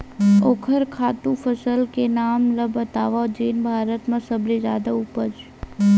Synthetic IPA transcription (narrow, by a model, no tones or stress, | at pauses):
oːkʰəɾkʰaːt̪ũpʰəsəlkenaːmləbət̪a̰ːʋad͡ʒeːnbʱaːɾət̪mãsəbled͡ʒaːd̪aupəd͡ʒ